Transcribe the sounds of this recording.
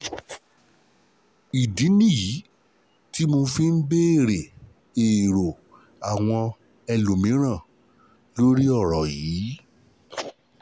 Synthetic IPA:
i˨di˨˦nĩ˦˨ji˨˦ | ti˦mo˧fi˦n̩˦be˦e˦˨ɾe˨ | e˨ɾo˨ | a˨w̃ɔ̃˧ | ɛ˧lu˨mĩ˨˦ɾ̃ã˦˨ | lo˦ɾi˦ɔ˦˨ɾɔ˨jiː˨˦

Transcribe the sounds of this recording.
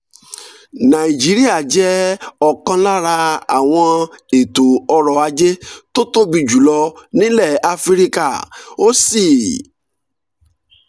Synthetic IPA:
nã˨i˨d͡ʒi˦ɾi˦a˦˨d͡ʒɛ˨˦ɔ˦˨kã˧la˦ɾa˧a˨w̃ɔ̃˧e˨to˨ɔ˧ɾɔ˨a˧d͡ʒe˦to˦to˦bi˧d͡ʒu˨lɔ˧nĩ˦lɛ˦˨a˧fi˦ɾi˦ka̰˦˨o˦si˦˨

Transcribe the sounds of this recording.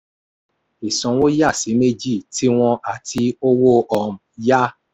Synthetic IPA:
e˨sɔ̃˨wo˦ja˦˨si˨˦me˦d͡ʒi˦˨ti˦w̃ɔ̃˧ʔa˦˨ti˧o˦wo˦ʔɔ˧m̩˨ja˦

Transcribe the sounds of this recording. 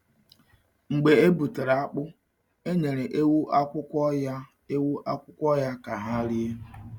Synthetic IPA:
ŋ͡m̩˨ɡ͡be˨e˦bu˨te˨ɾa˦k͡pʊ˦ | e˦ɲe˨ɾe˨ʔe˦wu˦ʔa˦kʷʊ˦kʷɔ˦ | e˦wu˦ʔa˦kʷʊ˦kʷɔ˦ja˦ka˨ɦa˦ɾi˦e˦

